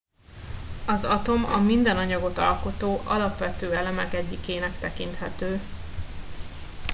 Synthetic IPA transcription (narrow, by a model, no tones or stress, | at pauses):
ɒzɒt̪o̞mɒ̰mind̪ɛnɒɲɒɡo̞t̪ɒ̰lko̞t̪oːʔɒ̰lɒpʋɛt̪øːɛlɛmɛkɛɟːikeːnɛkt̪ɛkint̪hɛt̪øː